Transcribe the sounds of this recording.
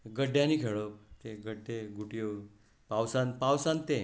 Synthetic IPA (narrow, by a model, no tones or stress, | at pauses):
ɡəɖʱjãniːkʰeɭot̪eɡəɽt̪eɡuʈijo | pawsãnpawsãnt̪ẽ